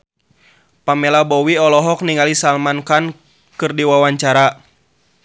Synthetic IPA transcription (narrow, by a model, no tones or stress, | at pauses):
pamɛlabɔwiɔlɔɦɔk̚niŋalisalmankan | kɨrdiwawaɲt͡ʃaɾa